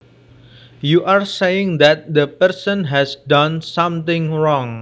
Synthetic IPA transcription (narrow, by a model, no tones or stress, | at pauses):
juʔarsejɪ̃ŋd̪ɛt̪̚d̪əpəɾsə̃nɦɛsdãnsʌ̃mt̪ɪ̃ŋɹɔŋ